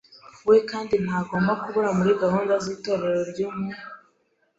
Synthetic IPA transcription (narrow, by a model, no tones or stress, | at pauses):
wekaːndin̥haɡo̞ːmbakuβuɾamuɾiɡaɦuːndaziːto̞ːɾe̞ɾo̞ɾɟuːmŋe